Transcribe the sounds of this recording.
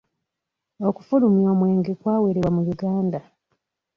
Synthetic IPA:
okufulumjo̞ːmwe̞ːŋɡekwaːwe̞ɾeβwamujuɡaːnda

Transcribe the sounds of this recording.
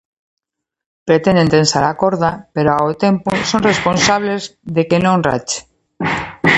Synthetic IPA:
pɾet̪ẽnd̪ent̪ensaɾakoɾðapeɾoaot̪emposoŋresponsaβlezðekenõŋra̰t͡ʃe̥

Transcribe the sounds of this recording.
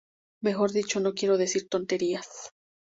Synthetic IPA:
me̞xo̞ɾðit͡ʃo̞no̞kje̞ɾo̞ðe̞siɾt̪o̞nt̪e̞ɾias

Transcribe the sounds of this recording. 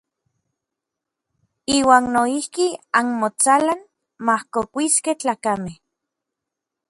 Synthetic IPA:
iːwaːnːoihkianmot͡salan | mahkokʷiskeht͡ɬaːkameh

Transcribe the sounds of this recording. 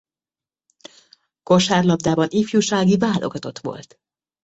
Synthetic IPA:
ko̞ʃaːrlɒb̚d̪aːbɒnifjuʃaːɡivaːlo̞̰ɡɒt̪o̞t̪ʋo̞̰lt̪

